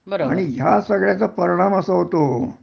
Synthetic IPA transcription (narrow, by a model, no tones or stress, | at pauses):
bəaɽ̃iɦjasəɡɭjat͡səpəɾiɳ̃aməsəɦot̪o